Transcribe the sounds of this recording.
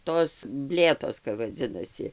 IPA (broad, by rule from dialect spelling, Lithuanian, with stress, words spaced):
ˈtoːs ˈbʲlʲeːtoːs kɐp ʋɐˈd͡zʲɪnɐsʲɪ